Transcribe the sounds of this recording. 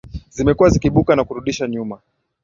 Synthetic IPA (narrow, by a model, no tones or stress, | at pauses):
zimɛkuwazikiɓukanakuɾuɗiʃaɲuma